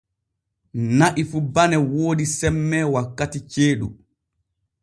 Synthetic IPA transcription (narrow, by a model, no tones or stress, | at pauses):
naʔifubanɛwoːɗisɛmːɛwakːatit͡ʃeːɗṵ